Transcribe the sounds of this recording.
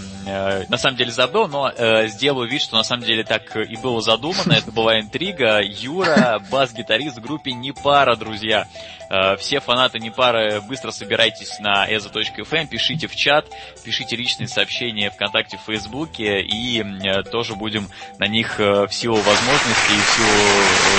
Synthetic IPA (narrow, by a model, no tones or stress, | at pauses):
ənɐsaməmdʲelʲɪzɐbɨlˠno̞əzʲdʲe̞lˠʊjʊvʲit̪ʲʂt̪o̞nɐsaməmdʲelʲɪt̪akʰibɨlˠəzɐd̪umənːəɛt̪əbɨlˠaɪnt̪ɾʲiɡəjuɾəbazɡʲɪt̪ɐɾʲist̪vɡɾupʲɪnʲɪpaɾəd̪ɾʊzʲja | fsʲe̞fɐnat̪ɨnʲɪpaɾɨbɨst̪ɾəsəbʲɪɾʔajtʲɪsʲnɐʔɛzət̪o̞t͡ɕkəɛfɛmpʲɪʂɨtʲɪft͡ɕat̪ | pʲɪʂɨtʲɪlʲit͡ɕnɨjəsɐːpɕːenʲɪjəfkɐnt̪ak̚tʲɪffəjzbukʲɪiət̪o̞ʐɨbudʲɪmnɐnʲixfsʲilˠʊvɐzmo̞ʐnəsʲtʲɪːfsʲilˠʊ